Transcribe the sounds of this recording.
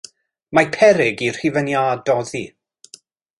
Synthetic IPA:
mapʰɛɾɪɡir̥hivənjaːdɔðiː

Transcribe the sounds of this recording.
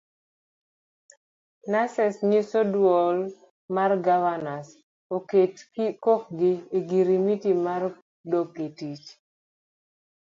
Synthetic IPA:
nasɛsɲisodwɔl | marɡavanas | oketikokɡɪeɡiɾimitimar | doketit͡ʃ

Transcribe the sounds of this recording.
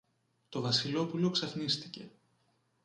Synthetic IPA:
t̪o̞vɐsilo̞pulo̞ksɐfnist̪ice̞

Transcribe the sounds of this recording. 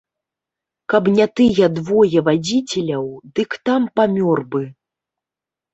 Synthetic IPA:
kɐbnʲat̪ɨjɛd̪vɔjɛvad͡zʲit͡sʲɛlʲɐwd̪ɨkt̪ampamʲɔrbɨ

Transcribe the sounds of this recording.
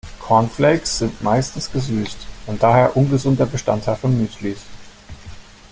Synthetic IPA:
kʰɔɐnfleɪksz̥ɪntmaɪstn̩sɡ̥əzyːstʔʊnt̚d̥aːɦeːɐʔʊnɡəzʊntɐbəʃtantʰaɪlfɔnːyːtlis

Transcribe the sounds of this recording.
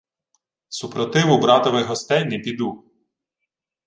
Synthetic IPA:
supɾɔt̪ɪʋʊbɾɑt̪ɔʋɪɦɔst̪ɛjnɛpʲid̪u

